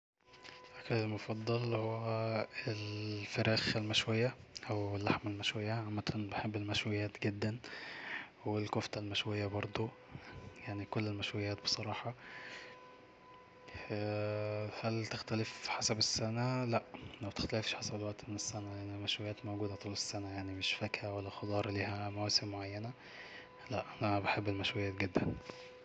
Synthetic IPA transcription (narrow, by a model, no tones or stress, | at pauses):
ʔæklelmofɑd̪ˤːɑlhowːæelfeɾæːxelmæʃwejːæʔæwelːaħmælmæʃwejːæʕamːæt̪ʰænbeħebːelmæʃwejːæːt̪ɡed̪ːæn | welkoft̪ælmæʃwejːæbɑɾˤd̪ˤu | jaʕnikolːelmæʃwejːæːt̪be̥sˤɑɾˤɑːħɑ | æ | hælt̪ext̪ælefħasæbesːænælæʔʔæmæt̪e̥xt̪ælefʃħasæbelwæʔt̪imenesːænæjaʕnimæʃwejːæːt̪mowɡuːd̪æt̪ˤuːlesːænæjaʕnimeʃfækhæwælːæxɑd̪ˤɑːɾˤliːhæmæwæːsemmoʕajːænæ | læʔʔænæbeħebːelmæʃwejːæːt̪ɡed̪ːæn